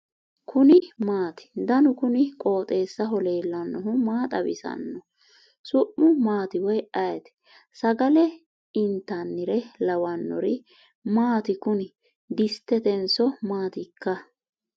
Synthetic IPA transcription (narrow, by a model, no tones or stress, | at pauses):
kʰʊnɪmaːt̪ɪ̥d̪ɐnʊkʊnɪkʼo̞ːt̪ʼe̞ːsːɐɦɔle̞ːlːɐnːɔɦʊmaːt̪ʼɐbɪ̰sɐ̰nːɔ | sʊʔːʊmaːt̪ɪwɔjɐjɛt̪ɛ̥ | sɐɡɐlɛ | ɪnt̪ːɐnːɪɾɛlɐwɐnːɔ̰ɾɪ | maːt̪ɪkʊnɪ | d̪ɪst̪ːɛt̪ɛnsɔmaːt̪ɪkːɐ